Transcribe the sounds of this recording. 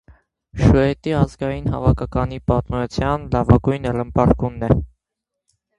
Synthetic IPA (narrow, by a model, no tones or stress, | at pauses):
ʃuɛt̪iɑzɡɑjinɦɑ̰vɑkʰɑkɑnipɑt̪mut͡sʰjɑnlɑvɑɡujnələmpɑɾɡunːɛ